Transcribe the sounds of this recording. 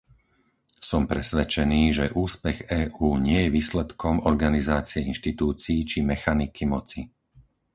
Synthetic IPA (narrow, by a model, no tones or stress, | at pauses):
sɔmpɾɛsʋɛt͡ʃɛniːʒɛʔuːspɛɣɛːʔuːɲɪɛjɛʋiːslɛt̪kʰɔmɔɾɡanizaːt͡siɛinʃt̪it̪uːt͡siːt͡ʃimɛxanikʰimɔt͡si